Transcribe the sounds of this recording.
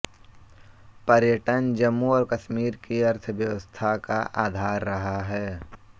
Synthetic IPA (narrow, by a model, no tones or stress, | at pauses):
pɐɾjəʈənd͡ʒɐmːuɔːɾkɐʃmiːɾkiɐɾt̪ʰʋjɐʋəst̪ʰakaʔaːd̪ʱaːɾːɐɦaɦɛː